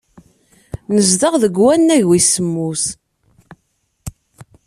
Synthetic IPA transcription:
nəzd̪əʁðəɡwænːæʝwisəmːus

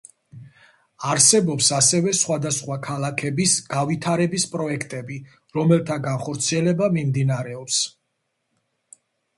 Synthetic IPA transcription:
aɾsɛbɔpsasɛvɛsχwad̪asχwakʰalˠakʰɛbisɡ̥avit̪ʰaɾɛbispʼɾɔɛkʰt̪ʼɛbi | ɾɔmɛlˠt̪ʰaɡanχɔɾt̪sʰiɛlɛbamimd̪inaɾɛɔps

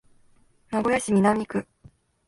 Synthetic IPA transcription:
naɡo̞jaɕimʲinamʲikɯ̟

